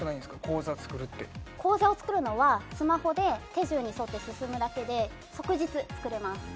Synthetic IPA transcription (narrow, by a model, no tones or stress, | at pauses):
ɯnaĩnd̪esɨ̥kako̞ːzat͡sɨ̥kɯ̟ɾɯ̟t̪ːe̞ko̞ːzao̞t͡sɨ̥kɯ̟ɾɯ̟no̞βasɨmaho̞d̪e̞t̪e̞ʑɨːɲ̟iso̞t̪ːe̞sɨsɨmɯ̟d̪ake̞d̪e̞ | so̞kɯ̟ʑit͡sɨt͡sɨ̥kɯ̟ɾe̞masɨ̥